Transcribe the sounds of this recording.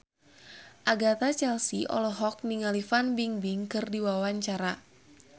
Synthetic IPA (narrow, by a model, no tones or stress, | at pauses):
ʔaɡat̪at͡ʃɛlsiʔɔ̰lɔɦɔk̚niŋalifanbiŋbiŋkɨrdiwawaɲt͡ʃaɾa